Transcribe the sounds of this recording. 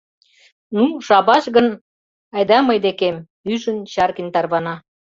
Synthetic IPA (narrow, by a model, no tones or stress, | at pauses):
nuʃɑβɑʃɡə̆n | ɑjd̪ɑmɤjd̪ekem | yʒənt͡ɕɑrkint̪ɑrβɑnɑ